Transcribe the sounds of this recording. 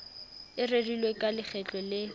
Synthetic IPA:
ɪredilwekʼalɪχɛt͡ɬʼɔlɪ

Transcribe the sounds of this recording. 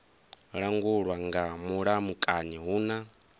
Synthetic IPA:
ɺaŋɡuɺwaŋɡamuɺamukʼaɲɛɦuːna

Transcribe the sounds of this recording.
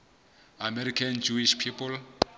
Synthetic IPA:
amɛɾikʰand͡ʒuiʃpʰipɔl

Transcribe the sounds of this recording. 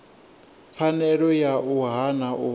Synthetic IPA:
fanɛɺɔjaʔuɦanau

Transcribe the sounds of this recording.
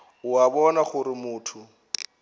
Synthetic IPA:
ʊabɔnaχʊɾɪmʊːtʰʊ

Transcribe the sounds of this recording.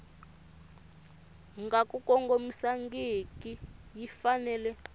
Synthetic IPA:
ŋɡakukɔŋɡomisaŋɡikʼijifanɛːlɛ

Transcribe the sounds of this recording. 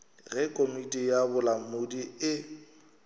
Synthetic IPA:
ɣɛkʼomitʼijabʊlamʊdiɪ

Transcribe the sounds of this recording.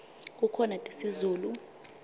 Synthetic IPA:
k̬ukʰɔnatʼesizuːlu

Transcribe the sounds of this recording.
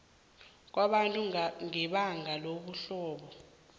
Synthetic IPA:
k̬waɓantʼuŋɛɓaŋʱaloɓuɬɔːɓɔ

